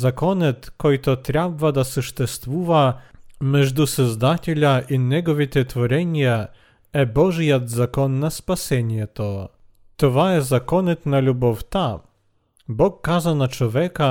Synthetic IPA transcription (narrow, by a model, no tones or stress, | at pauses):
zakɔnɛt̪kɔjt̪ɔt̪ɾʲabvad̪asuʂt̪ɛst̪vuvamɛʐd̪usɛzd̪atʲɛlʲaʔinʲɛɡɔvʲit̪ʲɛt̪fɔɾɛɲʲjɛ | ɛbɔʐɛjad̪zakɔnːaspasʲɛɲʲjɛt̪ɔ | t̪ɔvaɛzakɔnɛt̪nalʲubɔft̪a | bɔkːazanat͡ʂwɔvʲɛka